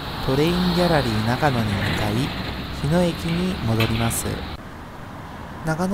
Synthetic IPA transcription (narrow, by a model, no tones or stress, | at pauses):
t̪o̞ɾe̞ĩŋɡʲaɾaɾʲiːnakano̞ɲ̟iɯk̪aiçino̞ekʲiɲ̟imo̞d̪o̞ɾʲimasɨ̰ | nakan